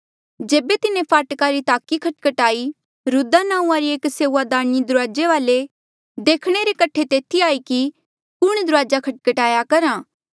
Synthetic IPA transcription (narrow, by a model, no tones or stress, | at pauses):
d͡ʒeːbet̪ɪnẽpʰaːʈkaɾit̪aːkikʰɐʈkəʈaːi | ɾʊd̪anãːũãɾieːkseːuad̪aːɾnid̪ʊɾaːd͡ʒeʋaːle | d̪eːkʰɽ̃eɾekɐʈʰet̪eːt̪ʰiaːiki | kʊɽ̃d̪ʊɾaːd͡ʒakʰɐʈ̚kəʈaːjakɐɾãː